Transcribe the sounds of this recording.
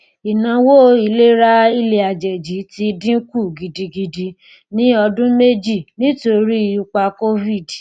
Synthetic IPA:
i˨nã˨˦wo˦i˧˨le˦ɾa˦i˧le˨a˨d͡ʒɛ˨d͡ʒi˨˦ti˧dĩ˦ku˦˨ɡi˨di˧ɡi˧di˧ | nĩ˨˦ɔ˧dũ˦me˦d͡ʒi˦˨nĩ˦to˧ɾi˦˧u˧k͡pa˧ko˦vi˦˨d

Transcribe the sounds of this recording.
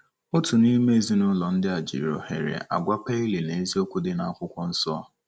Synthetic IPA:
ʊ˦tʊ˨ni˦me˦e˨zi˦nʊ˦lɔ˨n̩˦dɪ˦a˨d͡ʒḭ˨ɾɔ̰˨hḛ˨ɾḛ˨ʔa̰˨ɡʷa˦pe˦i˦le˨ne˨˦zi˦o˦kʷu˦dɪ˦na˨a˦kʷʊ˦kʷɔ˦n̩˦sɔ˦

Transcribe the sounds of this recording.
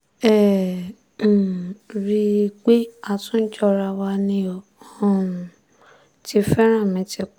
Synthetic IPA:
ɛ˦˨ | ɾi˧k͡pe˦a˧tũ˦t͡ʃɔ˧ɾa˧wa˧nĩ˧õ˨˦˨ | ti˧˦fɛ˦ɾ̃ã˦˨mĩ˨˧˦ti˧k͡p

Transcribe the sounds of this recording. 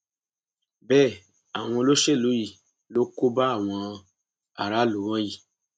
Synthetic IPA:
bɛ˦˨ | a˨w̃ɔ̃˧lo˦ʃe˦˨lu˨˦ji˨ | lo˦ko˦ba˦a˦˨w̃ɔ̃˧ | a̰˨ɾa˦lu˨˦w̃ɔ̃˦ji˨

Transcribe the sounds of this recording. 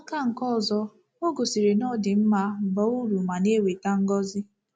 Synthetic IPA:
a˦ka˦ŋ̩˨kɔ˦ɔ˨zɔ˦ | o˦ɡo˨si˨ɾe˨nɔ˦˨dɪ˨m̩˦ma˨˦˨bɔ˨˦u˦ɾu˨ma˨ne˦˨we˨ta˦ŋ̩˦ɡɔ˦zɪ˦

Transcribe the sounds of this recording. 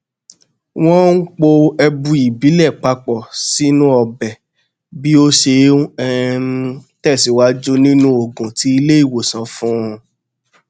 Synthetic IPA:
w̃ɔ̃˦n̩˦k͡po˧ɛ˧bũ˧i˨bi˨˦lɛ˦˨k͡pa˧k͡pɔ˨si˦nũ˦ɔ˧˨bɛ˨ | bi˦o˦ʃe˧ɛ˦˧ | tɛ˦˨si˨wa˧˦d͡ʒo˦nĩ˦nũ˦o˦˨ɡũ˨ti˨˦i˧le˦i˦˨wo˨sã˨˦fũ˦˧

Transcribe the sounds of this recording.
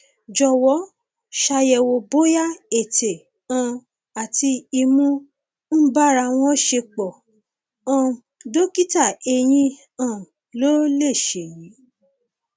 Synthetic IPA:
d͡ʒɔ˧˨wɔ˨˦ | ʃa˧jɛ˧wo˧bo˦ja˦e˨te˨ | ã˨˧˨ | a˨ti˧i˧mũ˦ | n̩˦ba˦ɾa˧w̃ɔ̃˦ʃe˧k͡pɔ˨ | ã˨do˦ki˦ta˦˨e˧j̃ĩ˧ | ã˦˨ | lo˦le˦˨ʃe˨ji˨˦

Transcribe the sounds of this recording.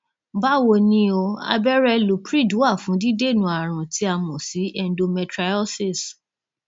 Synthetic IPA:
ba˦wo˧nĩ˧o˧a̰˧bɛ˦ɾɛ˦lu˨pɾi˦˨du˨˦a˦˨fũ˨˦di˦de˦˨nũ˨˦a˨ɾ̃ã˨ti˨˦a˧mɔ̃˨si˨˦ʔɛ˧n˦do˧mɛ̃˧tɾa˧ɔ˦si˦˨s

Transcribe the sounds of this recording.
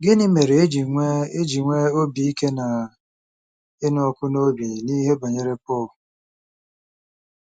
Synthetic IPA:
ɡɪ˦nɪ˦me˨ɾe˨e˦d͡ʒi˨ŋʷe˦e˦d͡ʒi˨ŋʷe˦o˦bi˨i˦ke˦na˨ | ɪ˦nɔ˦ɔ˦kʊ˦no˦bi˨ni˦ɦe˦ba˨ɲe˨ɾe˦pɔ˦˨l

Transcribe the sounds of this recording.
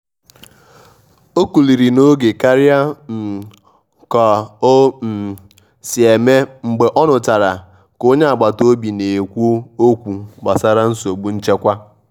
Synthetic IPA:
o˦ku˨li˨ɾi˨no˦ɡe˨ka˦ɾɪ˦a˦n̩˨ | kɔ˨˦ | m̩˨ | si˨e˨me˦ŋ͡m̩˨ɡ͡be˨ʔɔ˦nʊ˨ta˨ɾa˨ | ko˦ɲe˦a˨ɡ͡ba˨to˦bi˨ne˨kʷu˦o˦o˦kʷu˨ɡ͡ba˨sa˦ɾa˦n̩˦so˨ɡ͡bu˦n̩˦t͡ʃe˦kʷa˦

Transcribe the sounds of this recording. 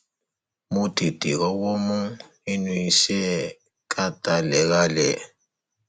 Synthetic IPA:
mu˦ti˨tʼi˨ɣɔ˦wo˦mu˦ | i˦nwi˨sɛ˦ | kʰʼa˦tʼa˨lɛ˨ka˦lɛ˨

